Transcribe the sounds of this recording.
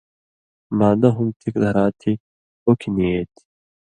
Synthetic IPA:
maːd̪ɐɦumt̪ʰikd̪ʱɐɾaːt̪ʰi | okʰinieːt̪i̥

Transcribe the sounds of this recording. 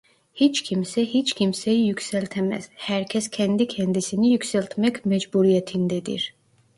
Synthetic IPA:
hit͡ʃcʰimsɛhit͡ʃcʰʲimsæjijycsælʲt̪ʰɛmæ̰z̥hæɾcʰɛscʰænd̪icʰænd̪isinijycsælʲt̪ʰmɛcmæd͡ʒbuɾijɛt̪ʰind̪ed̪ḭɾ

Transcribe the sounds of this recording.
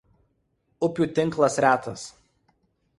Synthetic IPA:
ʊpʲuːt̪ʲɪŋˑklˠɐsɾʲæːt̪ɐs

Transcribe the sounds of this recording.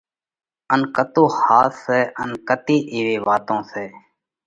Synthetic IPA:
ənkət̪oːhaːtsɛːʔənkət̪iːʔiːʋeːʋaːt̪õːsɛː

